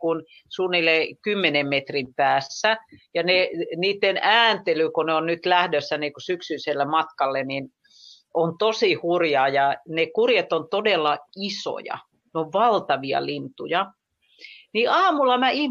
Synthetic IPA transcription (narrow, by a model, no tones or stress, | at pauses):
kun | suːnilːekymːenemmet̪rimpæːsːæjɑneniːt̪ːenæːnt̪elykoneonnyt̪læhdøsːænikusyksyːselːemɑt̪kɑlːenin | ont̪osihurjɑːjɑnekurjet̪ont̪odelːɑiso̰jɑ̰ | neoʋʋɑlt̪ɑʋiɑ̰lint̪ujɑ | niɑːmulːɑmæih